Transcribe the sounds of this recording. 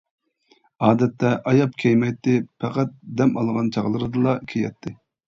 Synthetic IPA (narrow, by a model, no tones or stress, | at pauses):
ɑːd̪ɛt̪ːɛʔɑjɑp̚kʲʰɛjmɛjt̪ːɪpʰɛqæt̪̚d̪ɛmɑ̰lˠʁɑnt͡ʃʰɑʁlˠɨɾɨd̪ɨlˠɑkʲʰejɛ̰t̪ʰːɪ